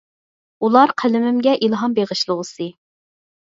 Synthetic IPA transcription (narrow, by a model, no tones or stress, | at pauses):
ulˠɑɾqʰælɪmɪmɡʲɛʔilˠɦɑmbeʁɨʃlˠəʁəsɨ